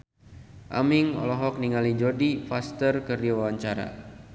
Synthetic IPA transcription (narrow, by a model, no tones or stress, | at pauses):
ʔa̰miŋɔ̰lɔɦɔk̚niŋalid͡ʒɔdifast̪ərkərdiawaɲt͡ʃaɾa̰